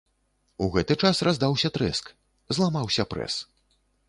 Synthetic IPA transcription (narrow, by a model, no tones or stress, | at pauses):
uɣɛt̪ɨt͡ʂasrazd̪awsʲɐt̪ɾɛ̰sk | zlˠamawsʲɐpɾɛ̰s